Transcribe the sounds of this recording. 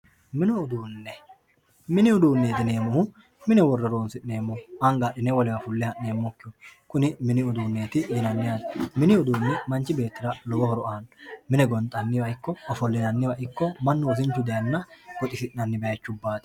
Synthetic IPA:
mɪnɛʊd̪uːnːɛ | mɪnɪʊd̪uːnːeːt̪ɪneːmɔhʊ | mɪnɛwɔrːɐɾo̞ːnsɪʔne̞ːmːɔhɐŋɡaːɗːɪnɛwɔlɪwɐfʊlːɪhɐʔne̞ːmːɔkːɪɔkʊnɪmɪnɪʊd̪uːnːe̞ːt̪ɪd̪ɪnɐnːɪjasmɪnɪʊd̪uːnːɛmɐnt͡ʃːɪbe̞ːt̪ːɪɾɐlɔɡɔhɔɾɔʔaːnmɪnɛɡɔnt̪ʼːɐnːɪwɐɪkːɔɔfɔlːɪnɐnːɪwɐʔɪkːɔmɐnːʊwɔs̬ɪnt͡ʃːʊd̪ɛɐnːɐwɔt̪ʼɪsɪʔnɐnːɪbɛjɐt͡ʃːʊbːaːt̪ɪ̥

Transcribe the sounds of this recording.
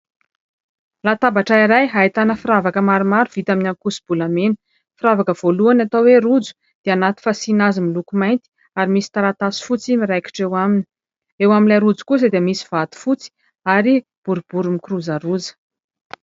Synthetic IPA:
lat̪abaʈ͡ʂaiɾajɦait̪anəfiɾavakəmaɾumaɾuv̥it̪aminaŋkusi̥b̥ulamen | fɾavakəv̥oluanat̪aweɾud͡zu̥ | d̪̥eanat̪i̥fasinazimilukumajnt̪i̥ | aɾimisi̥t̪aɾat̪asi̥fut͡simiɾajki̥ʈ͡ʂewamini̥ | ewaminlaɾud͡zu̥kus̬əd̪eəmisi̥v̥at̪u̥fut͡si̥ | aɾi | b̥uɾub̥uɾumikruzaɾuzə̥

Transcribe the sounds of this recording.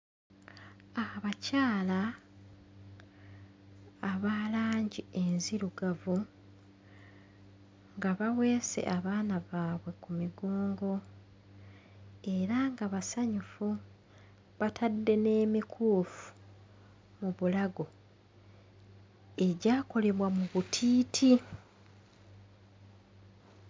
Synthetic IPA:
aβacaːla | βaːlaːɲɟie̞nziɾuɡavu | ŋɡaβawe̞ːse̞̰ʔaβaːnaβaːβwe̞kumiɡoːŋɡo̞ | e̞ɾaŋɡaβasaɲufu | βatʰadːe̞ne̞ːmikʰuːfu̥ | muβulaɡo̞ | e̞ɟaːko̞le̞βwamuβutʰiːtʰi

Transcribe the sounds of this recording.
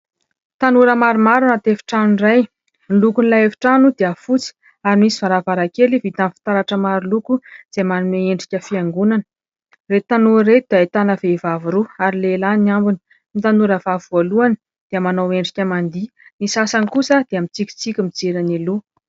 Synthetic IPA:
t̪anuɾəmaɾumaɾunat̪efi̥ʈ͡ʂanuniraj | nlukunilaefi̥ʈ͡ʂanud̪eafut͡si̥ | aɾimisivaɾavaɾakelivit̪anfi̥t̪aɾaʈ͡ʂəmaɾulukuz̥emanumeeɳɖ͡ʐikʲəfiaŋɡunanə̥ | ret̪anuɾed̪̥aet̪anəvevavuɾuaɾilelanniambini̥ | mit̪anuɾəvavuvoluanə | d̪̥eamanaweɳɖ͡ʐikʲəmand̪i | nisasankusəd̪̥eamit͡sikʲi̥t͡sikʲumid͡zeɾanelu

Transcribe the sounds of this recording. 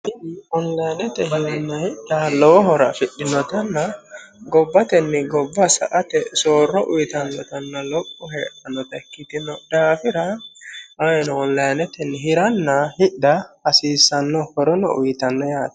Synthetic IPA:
hɪd̪ɪɔnlɐjnɛt̪ɛɦɪɾɐnːɐhɪɗɐlɔwɔɦɔɾɐfɪɗːɪnːɔt̪ɐnːɐɡɔbːɐt̪ɛnːɪɡɔbːɐsɐ̰ʔɐt̪ɛsoːrːɔʔʊjɪt̪ɐnːɔt̪ɐnːɐlɔpʼːɔɦeːʔɐnːɔt̪ɐkːɪt̪ɪnɔd̪aːfɪɾɐʔɐjnɔɔnlɐjnɛt̪ɛnːɦɪɾɐnːɐhɪɗɐɐsiːsːɐnːɔhɔɾɔnɔ̰ʔʊ̰jt̪ɐnːɔjaːt̪ɐ̥

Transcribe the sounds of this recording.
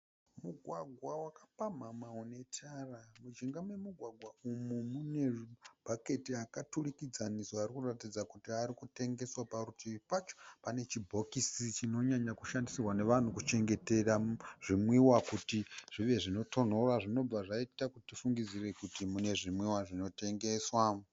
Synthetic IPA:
muɡʱwaɡʱwawakapamamaone̞tʰaramud͡ʒiŋɡamwemuɡʱwaɡʱwaumumune̞b̥ʱake̞tiakaturikid͡zanisoaɾikuratid͡zakutiaɾikute̞ŋɡe̞swaparutʰiʋipat͡ʃo̥pane̞t͡ʃibʱo̞kisit͡ʃino̞ɲaɲakuʃandisirwane̞ʋan̤ukut͡ʃe̞ŋɡe̞te̞raʐ̥imwiwakutiʐ̥iʋe̞ʐino̞to̞n̤o̞raʐino̞b͡vaʐaitakutitifuŋɡid͡zire̞kutimune̞ʐimwiwaʐino̞te̞ŋɡe̞swa

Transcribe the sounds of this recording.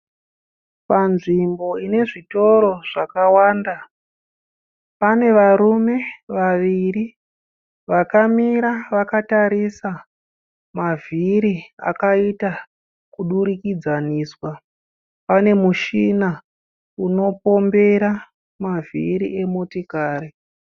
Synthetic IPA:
panʐimbo̞ine̞ʐito̞ɾo̞ʐ̥akawaːnda | pane̞ʋaɾume̞ʋaʋiri | ʋakamiɾaʋakataɾisa | maviɾia̰kaita | kuɗuɾikid͡zaniːswa | pane̞muʃina | uno̞po̞mbe̞ɾa | mavḭɾḭʔe̞motikaːɾi

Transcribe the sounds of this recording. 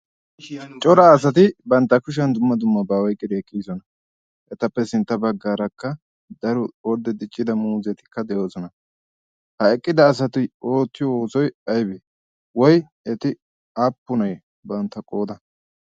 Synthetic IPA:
t͡ʃʼɔɾɐːs̬ɐt̪ɪbɐnt̪ːɐkʊʃ̬ɐnd̪ʊmːɐd̪ʊmːɐbaːwɔjkʼːɪd̪ɛːkʼːiːsɔnɐ | ʔɛt̪ɐpːɛsɪnt̪ːɐbɐɡːaːɾɐkːɐ | d̪ɐɾʊɔɾd̪ɛd̪ɪt͡ʃʼːɪd̪ɐmuːzɛt̪ɪ̥kːɐd̪ɛjo̞ːsɔnɐ | hɐɛkʼːɪd̪ɐːs̬ɐt̪ɪoːt̪ːɪjɔoːsɔjɐjbɛ | wɔj | ɛt̪ɪ | apːʊnɐj | bɐnt̪ːɐkʼo̞ːd̪ɐ

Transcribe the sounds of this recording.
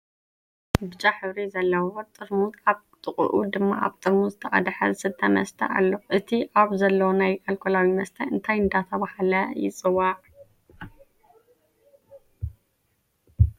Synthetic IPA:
bɨt͡ʃʼaħɨβɾizɐlːɐwwot̪ʼɨɾmut̪aβ | t̪ʼɨχʼṵʔṵd̪ɨmːa̰ʔa̰βt̪ʼɨɾmuzɨt̪ʰɐʔʼɐ̰d̪ħɐ̰zɨsɨt̪ʰːɐmɐ̰st̪ʰɐ̰ʔa̰lːo̞ʔɨt̪ʰiʔaβzɐlːɐwonajʔalkʰolawimɐst̪ʰɐɨnt̪ʰajɨnd̪at̪ʰɐβahalɐjɪ̰t͡sʼɨwaʕ

